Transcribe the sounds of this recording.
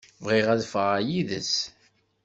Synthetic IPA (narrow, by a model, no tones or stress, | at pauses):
vʁiʁæðfəʁæjiðə̰s